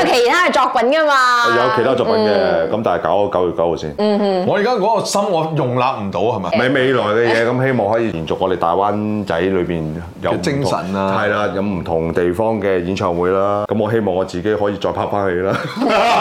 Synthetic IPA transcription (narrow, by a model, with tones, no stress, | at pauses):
kʰe˨˩jt̪ʰaː˥ɐ˨jt͡sɔː˨k̚pɐ˨˦nkɐ˥maː˧ɔ˨˧jɐ˨˧wkʰe˨˩t̪ʰa˥˩ɔː˨˩pɐ˨˦nkɛ˧kɐ˨˦mt̪aː˨nhɐ˨jkaː˨˥wo˨˧˩kɐ˨˥wjy˨tkɐ˨˥who˨˧wsḭː˥n˧ŋɔː˨˧jiː˨˩kaː˥kɔː˨˥kɔ˧sɐ˥mŋɔː˨˧jʊ˨˩ŋlaː˨˧p̚m̩˨˩t̪o˨˥whɐ˨ma˨mɐ˨˩jme˨˧jlɔː˨˩jkɛ˧jɛː˨˧kɐ˨˥mhe˥jmɔː˨ŋhɔː˨˥jiː˧iː˨˩nt͡sʊ˨k̚ŋɔː˨˧d̪e˨jt̪aː˨jwaː˥nt͡sɐ˨˥jlɵ˨˧ɥpiː˨˩n | jɐ˨˧wmɪ˥˨ŋ˨sɐ̰˨˩nna˧hɐ˨jlaː˧jɐ˨˧wm̩˨˩t̪ʰʊ˨˩ŋt̪e˨jfɔː˥ŋkɛː˧jiː˨˥nt͡ʃʰœː˨ŋwuː˨˧˥jlaː˥kɐ˨˦˥mŋɔː˨˧ɦe˥jmɔː˨˩ŋɔː˨˧t͡siː˨ke˨˥jɦɔː˨˥jiː˧t͡ʃɔː˧jpʰaː˧˥k̚faː˥nhe˨˧jlaː˦˥